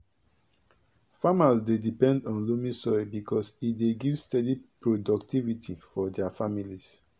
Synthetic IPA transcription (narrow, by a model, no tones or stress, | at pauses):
famasdedipɛ̃ndɔ̃nlumĩsɔɹibikʰɔsideɡivstɛdipɹodɔktivitʰifɔdɛafamilis